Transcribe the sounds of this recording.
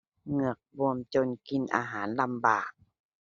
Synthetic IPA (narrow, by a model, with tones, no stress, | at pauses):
ŋɯ˧˩ək̚bu˧əmt͡ɕo˧˩˨nki˧˩nʔa̰ː˧ɦaː˩˦nla˧˩mbaː˨˩k̚